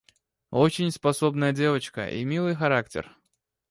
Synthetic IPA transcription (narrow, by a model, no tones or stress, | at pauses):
ot͡ɕɪnʲspɐso̞bnəjədʲe̞vət͡ɕkə̰ʔḭmʲilˠɨjxɐɾaktʲɪ̰r